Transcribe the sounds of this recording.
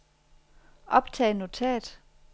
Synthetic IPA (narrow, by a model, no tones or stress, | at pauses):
ʔɒ̽b̥t͡sʰɛ̰ːno̝t͡sʰɛ̰ːd̥